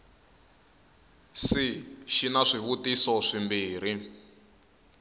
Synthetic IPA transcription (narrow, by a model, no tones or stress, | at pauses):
siʃinaʂiβutisɔʂimbiːɾ̤i